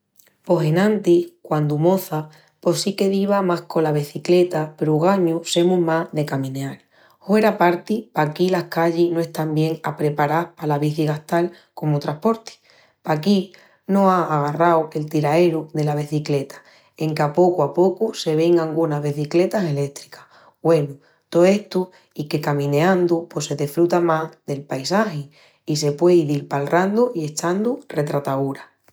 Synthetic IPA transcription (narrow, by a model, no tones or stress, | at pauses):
po̞se̞nãnt̪ihkwand̪umo̞θa | po̞sike̞ðiβamahko̞laβeθikle̞t̪ape̞ɾuɣ̞aɲuse̞mũɦmaðe̞kamĩneaɾ | he̞ɾapaɾt̪ipakilahkaʎinoe̞ht̪ambje̞ŋapɾe̞paɾapalaβiθiɣaht̪al | ko̞mot̪ɾahpo̞ɾt̪i̥ | paki | nõaʔːɣ̞arawke̞lt̪iɾae̞ɾuðe̞laβ̞iθikle̞t̪ḁ | e̞ŋkapo̞kuapo̞kuse̞β̞e̞ŋaŋɡunazβeθikle̞t̪ase̞le̞t̪ɾikḁh | we̞nu | t̪oe̞ht̪u | ike̞kamĩneãnd̪upwe̞se̞ðefɾut̪amazðe̞lpajsaxi | ise̞pwe̞iðiɾpalrand̪uie̞t͡ʃand̪ure̞t̪ɾat̪auɾa